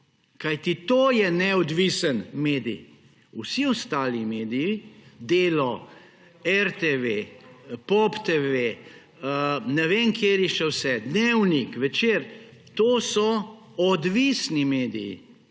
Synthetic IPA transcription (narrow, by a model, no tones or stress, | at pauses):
kajt̪it̪oːjɛnɛɔd̪ʋisənmeːd̪ḭj | usiɔst̪aːlimeːd̪ijid̪eːlɔ | ɛɾt̪eʋepɔpt̪eʋe | ənɛʋeːnkʰjeːɾiʃɛwsɛd̪newnikʋɛt͡ʃeːɾ | t̪oːsɔ | ɔd̪ʋisnimeːd̪ijḭ